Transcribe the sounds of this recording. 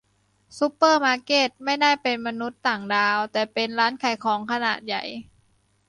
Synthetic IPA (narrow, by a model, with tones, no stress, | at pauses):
su˧˦˥pːɤː˥˩maː˧keː˥˩t̪̚ma˥˩jdaː˥˩jpe˧nma˧nu˦˥t̪ːaː˨˩ŋdaː˧wt̪ɛː˨˩pe˧nɾaː˦˥nkʰa˨˩jkʰɔː˩˦ŋkʰa˧na̰ː˨˩t̪̚ja̰˨˩j